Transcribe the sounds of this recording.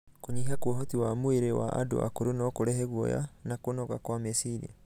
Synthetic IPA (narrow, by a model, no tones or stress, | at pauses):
koɲiɦakwɔɦotiwamoeɾewa̰ʔa̰do̰a̰koɾonɔkoɾɛɦɛɣwɔ̰ja̰nakonɔɣakwamesiɾḭ